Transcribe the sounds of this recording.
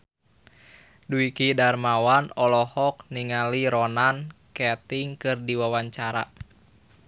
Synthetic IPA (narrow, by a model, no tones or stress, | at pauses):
duikidarmawanɔlɔhɔk̚niŋaliɾɔnankɛt̪iŋkɨrdiwawaɲt͡ʃaɾa̰